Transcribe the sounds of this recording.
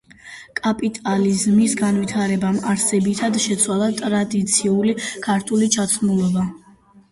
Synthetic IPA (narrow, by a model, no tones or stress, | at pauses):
kʼapʼit̪ʼalizmisɡanwit̪ʰaɾɛbamaɾsɛbit̪ʰad̪ʃɛt̪sʰwalˠat̪ʼɾad̪it̪sʰiulikʰaɾt̪ʰulit͡ʃʰat̪sʰmulˠɔba